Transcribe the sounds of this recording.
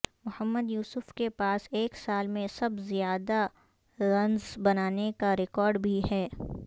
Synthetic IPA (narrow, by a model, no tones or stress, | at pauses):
mʊhəmːəd̪juːsʊfkepaːseːksaːlmẽsɐbzijaːd̪a | ɾɐ̃nzbɐnaːnekaɾɪkɔːɾɖbʱiɦɛː